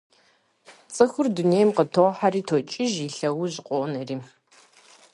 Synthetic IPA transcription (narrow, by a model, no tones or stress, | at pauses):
t͡sʼɨxʊrduneːjmqətʰoːħariːtʰoːt͡ʃʼɪʒiɬɐwʊʑɪqʷʼɔʔnɐriː